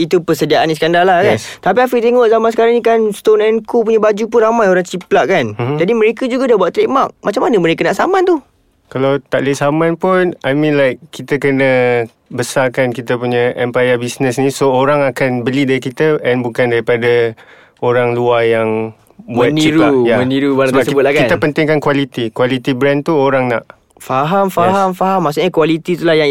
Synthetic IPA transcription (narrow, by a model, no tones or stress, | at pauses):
it̪upəsədiaʔanisəkandarlahkant̪apiafiʔt̪eŋɔʔzamansəkaɾaŋnikanst̪onɛnkup̬uɲabad͡ʒupʊnramajoɾaŋt͡ʃiplaʔkand͡ʒadimə̃ɾekəd͡ʒuɡadabuat̪ɾeʔmaʔ̚mat͡ʃamanəməɾekənaʔsamãnt̪u | kalawt̪aʔləsamãnpʊnajmĩnlajkkːit̪əkənə | bəsakankit̪əpuɲajɛmpajəbisnəsnĩsooɾaŋakanbəlidaɾikit̪əɛnbukandaɾipada | oɾaŋluajaŋ | buaniɾulajaməniɾubaabasəkbʊt̪̚lakkait̪əpənt̪ɪŋkankwalit̪ikwalit̪ibɾɛnt̪uoɾaŋna̰ʔ | faɦamfaɦamfaɦamːasuʔɲakuwalit̪it̪ulajaŋ